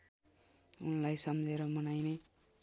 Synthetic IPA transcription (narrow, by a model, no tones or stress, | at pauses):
unlajsʌmd͡zeɾʌmʌnajne